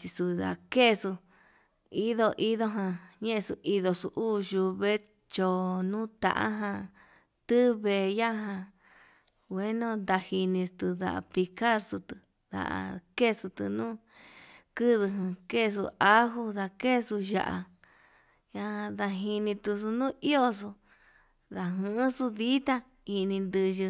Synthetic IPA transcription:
t͡ʃi˧su˧ða̰˧˨ke˦˧su˧ | i˦ðo˧ʔi˦ðo˧˦ɦã˧ɲẽ˦ʔẽ˧su˧i˧ðo˧su˧ʔuː˦ʒu˧βe˦ | t͡ʃo˧nũː˦t̪ã̰˨ʔa̰˦ɦã˧ | t̪ɨ˦βe˧˨ja˦ɦã˧ | wʷe˦nõ˦nd̪a˧hi˧nĩ˧st̪ɨ˧ða̰˧ʔpi˧ka˦ɾsu˧t̪ɨ˧ | ða̰˨ʔa̰˧ke˦˨˧su˧t̪ɨ̰˧nũː˦ | kɨ˦ðɨ˧ɦɨ̃˧ke˦˧s̬ṵ˧ʔa˦ɦu˧ða˧ke˦˧su˧ʒa̰˧ʔa̰˧ | ja˧ða˧ɦi˧nĩ˧t̪u˧s̬u˧nũː˦ʔi˦o˧s̬u˧ | ða˨˧ɦɨ̃˦su˧ði˦t̪a˦ | i˧nĩ˧nd̪ɨ˧ʒɨ˧

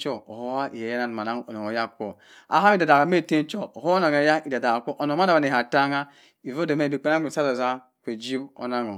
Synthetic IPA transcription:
t͡ʃo˦o˨ho˦a˦ʔi˨e˨ja˦na˨n˨ma˨na˦ŋ˦o˨no˨o˨ja˦ko˦ | a̰˨ɦa˦i˦˨da˨da˨ɣa˨me˦˨te˦n˦t͡ʃo˦o˨ho˦o˦na˨ŋe˨˦ja˦i˨da˨da˨a˨ko˦ʔo˨no˨m˦a˦da˨ba˨ne˨ɦa˨ta˦ŋa˦ | i˨vo˦do˨me˦˨i˨k͡pe˦na˦e˨sa˦zo˨za˦ | kʷe˨d͡ʒi˦bo̰˦na˦ŋo˨

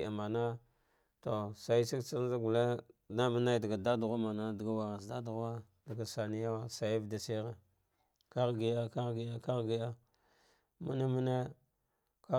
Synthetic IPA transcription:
a̰˨ma˨na˦ | to˨sa˨i˦si˦kt͡sa˦n˦a˦ɡu˨le˦da˦mu˦na˦da˨ɡa˨da˦du˨ɣa˦ma˨na˦di˨ɡa˦wa˨ɣa˨sda˦du˨ɣa˦ | da˨ɡa˨sa˨ni˦ja˦wa˦sa˨ji˦vda˨se˦ɣe˨ | ka˦ɣɡi˦ja˦ka˦ɣɡi˦ja˦ka˦ɣɡi˦ja˦ | mu˦ne˦mu˦ne˦ | ka˦

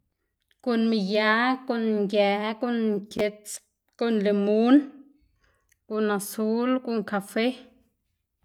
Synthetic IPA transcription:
ko˨nmi˧˨ja˨˦ko˧˨nŋɡɛ˨ko˦nŋke˧t͡s | ko˦nle˨mu˦n | ku˧na˧su˦lku˧ŋka˧fe˦

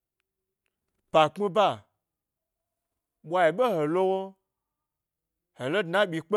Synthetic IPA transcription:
pa˨k͡pi˦ba˦˨ | ɓʷa˧˦ji˨ɓo˦ho˨lo˦wo˦ | ho˨lo˦dna˦ɓʲi˨k͡pe˦

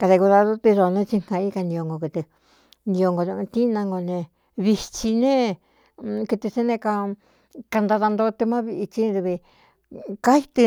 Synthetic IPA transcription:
ka˧ðe˧ku˧ða˧ðu˦t̪i˧ʐo˧nẽ˦˧t͡ʃi˧ŋ̥ã˧i˦ka˧nĩ˧o˧ŋɡo˧kɨ˧t̪ɨ˧ | nĩ˧o˧ŋɡo˧nṵ̃˧t̪i˦nã˧ŋɡo˧nẽ˧ | βi˧t͡ʃi˧nẽ˦ | kɨ˧t̪ɨ˧se˦nẽ˧ka˧ | ka˧nd̪a˧ða˧nd̪o˧t̪ɨ˧mã˦βi˧ʔi˧t͡ʃi˦ðu˧βi˧ | ka˦i˦t̪ɨ˧

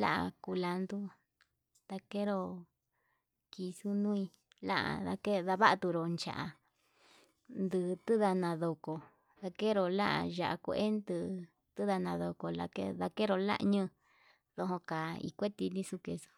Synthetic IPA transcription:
la̰˦ʔa̰˧˨ku˧la˧nd̪u˦ | t̪a˧ke˦ɾo˧ | ki˧su˦nũ˦i˧ | la̰˦ʔa̰˨ða˧ke˦ða˧βa˦ʔt̪u˧ɾo˨nt͡ʃa̰˨ʔa˧˨ | nd̪ɨ˧t̪ɨ˦ða˧nã˨˧ðo˨ko˨ | ða˧ke˦ɾo˨la̰˦ʔa̰˧ʒa̰˨ʔa̰˨ku˧ʔe˦nd̪ɨ˧ | t̪ɨ˦ða˧nã˧ðo˧ko˨la̰˧ke˦ða˧ke˦ɾo˧la̰˦ʔɲɨ̃˦˧ | ðo˧ɦõ˧ka˨ḭ˧kʷe˦t̪i˧nĩ˦su˧ke˧su̥˦

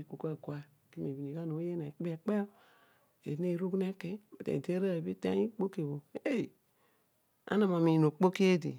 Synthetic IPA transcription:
i˦ko˨˦ka˦˨kwa˦˨ki˦me˨bi˨ni˨ka˦no˨˦je˦na˨k͡pe˨k͡pe˦ | ḛ˨˦e˦˨ɾu˦ɡne˦ke˦a˨tḛ˨de˦ɾa˦˨bi˦ta̰˦i˦k͡po˦ke˨wo˨e˦˨i˨ | a̰˦na˨ma˨mi˨no˨k͡po˦ki˦e˦dḭ˨

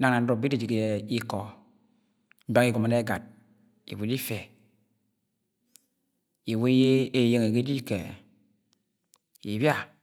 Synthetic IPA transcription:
a˨ŋna˨n̩˦do˨bi˦di˦d͡ʒi˨ke˨i˦kɔ˨ | m̩˦ba˦ŋi˦ɡo˨ma˨ne˦ɡa˨t̚ | ḭ˨bu˨˦di˦fe˨ | i˨we˦je˦e˦˨je˦ŋe˨ɡe˦di˦ke˨ | i˨bja˦˨

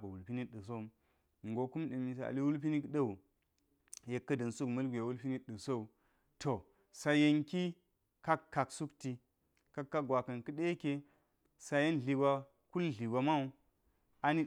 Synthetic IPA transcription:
bɐ˨wu˨lpi˦ni˦ɗɨ˨s̬o˦u˦m | ŋ˨ɡo˨ku˦mɗi˨mi˨s̬a̰˨li˦wu˦lp̬i˦ni˦kɗɐ˦u˨ | je˨kːɐ˦dɐ˨nsu˦kmɐ˦lɡʷʲja˨wu˦lpi˦ni˦ɗɨ˨so˦u˨ | to˨ | sa˨je˦ŋki˦ | ka˦kːa˨ksu˦kti˦ | ka˦kːa˦ɡwa˨kɐ˨nkɨ˦ɗe˦e˦ke˦ | sa˨je˦nɮi˨ba˦ | ku˦lɮi˨ba˨ma˦u˦ | a˦ni˦

